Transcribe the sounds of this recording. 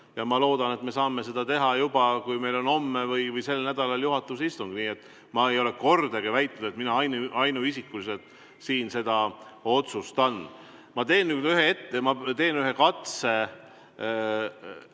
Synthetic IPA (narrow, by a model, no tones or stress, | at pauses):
jɑmɑlo̞ːd̪̥ɑne̞t̪me̞sɑːme̞se̞d̪̥ɑt̪e̞ɦɑjubɑkujme̞jlo̞no̞mːevɯjvɯjse̞lːnæd̪̥ɑlɑljuɦɑt̪ːˑusist̪uŋɡ̥niːe̞t̪ːˑ | mɑejo̞le̞ko̞rd̪eɡ̥evæjt̪ˑnud̪̥et̪minɑɑjnuɑjnuisikːˑulise̞lt̪ˑ | siːnse̞d̪̥ɑo̞t̪sust̪ɑn | mɑt̪e̞ːnːyːd̪yɦee̞t̪ːe̞mɑt̪e̞ːnyɦe̞kɑt̪se̞